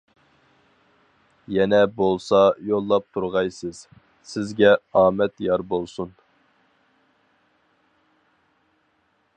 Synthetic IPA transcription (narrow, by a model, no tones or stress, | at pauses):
jɛnɛbolˠsɑjolˠːɑp̚t̪ʰuɾʁɑjsɨz̥ | sɪzɡʲɛɑːmɛt̪jɑɾbolˠsun